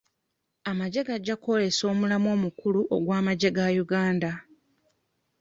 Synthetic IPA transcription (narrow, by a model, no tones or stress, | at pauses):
amaɟe̞ɡaɟːako̞le̞so̞ːmulamo̞ːmukuluʔoɡwaːmaɟe̞ɡajuɡaːnda